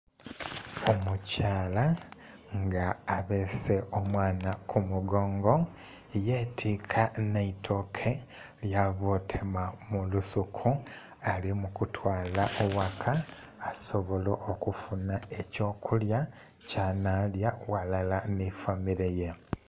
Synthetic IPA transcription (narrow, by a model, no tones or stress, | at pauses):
omucaːla | ŋɡaːβese̞omwaːnakʰumuɡo̞ːŋɡo̞ | ije̞ːtʰikʰanaitʰo̞kʰe̞ | ljaβotʰemamulusukʰu | alimukutʰwaːlaʔowakʰaː | so̞βo̞loʔːkufunae̞co̞ːkʰulja | canaljawalalanifamiɾeje